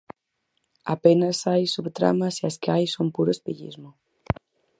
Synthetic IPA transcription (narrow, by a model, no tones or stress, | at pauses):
a̰penɐsajsuβt̪ɾa̰mɐsiaskeajsompuɾospeʎḭzmʊ